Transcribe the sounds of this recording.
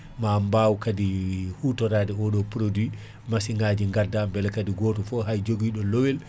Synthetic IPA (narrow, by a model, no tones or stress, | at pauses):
mambawkadihuːtɔɾaːdɛɔɗɔpɾodwi | masiŋɡad͡ʒiŋɡaɾdambɛlɛkadiɡɔːtɔfɔɦajd͡ʒoɡiːɗɔlowɛl